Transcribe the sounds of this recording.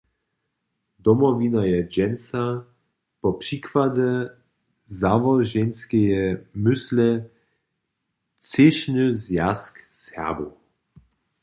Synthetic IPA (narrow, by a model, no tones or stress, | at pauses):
d̪ɔmɔvinajɛd͡ʒɛnsa | pɔpʂikvad̪ɛ | zavɔʒɛnskɛjɛmʏslɛ | t͡seʃnɨzjaskshɛ̰ɐbo